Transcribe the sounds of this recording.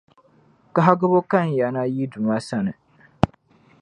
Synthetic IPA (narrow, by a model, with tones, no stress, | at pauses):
ka˦ɦa˦ɡɨ˦bo˦ka˦˨n˨ja˨na˦ji˦du˨ma˦sa˦nɨ˨